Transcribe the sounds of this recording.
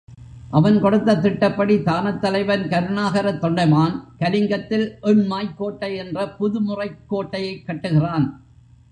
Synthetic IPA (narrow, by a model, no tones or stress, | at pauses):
ʔɐʋɐnkɔɽɯt̪ːɐt̪ːɪʈːɐpːɐɽit̪aːnɐt̪ːɐlɐɪʋɐnkɐɾnaːɣɐɾɐt̪ːɔɳɖɐɪmaːnkɐlɪŋɡɐt̪ːɪlʔɔɳmaːjkːoːʈːɐɛndrɐpʊðɯmʊrɐɪkːoːʈːɐjɐɪkːɐʈːɯɣɪraːn